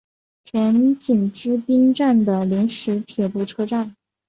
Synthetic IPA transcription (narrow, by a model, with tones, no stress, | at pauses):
t͡ɕʰɥɛ˧˥nt͡ɕi˨˩nʈ͡ʂɻ̩˥pi˥ŋʈ͡ʂa˥˩nd̪ə˩li˧˥nʂɻ̩˧˥t̪ʰjɛ˨˩pu˥˩ʈ͡ʂʰɤ˥ʈ͡ʂa˥˩n